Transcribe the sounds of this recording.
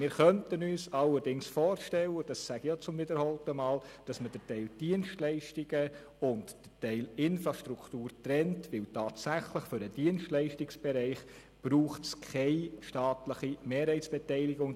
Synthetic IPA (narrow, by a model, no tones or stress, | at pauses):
mɪːɾχœntənyːsɑlːəɾdɪŋsfɔːɾʃtɛlːəd̥ɑsːæɡ̥ijɔt͡sʊmvɪdəɾhɔltəmɑːld̥ɑsməd̥ətɛɪld̥iənʃtlɛɪʃtiɡə | ʊntd̥ətɛɪlɪnfɾɑʃtɾukʰtuːɾtɾɛntʋɪltɑːtsæχləχfʏɾəd̥iənʃtlɛɪʃtɪksb̥ɛɾɛɪχ | b̥ɾuːχtskʰɛɪʃtɑːtləχimeːɾhɛɪtsb̥ɛtɛɪliɡʊŋ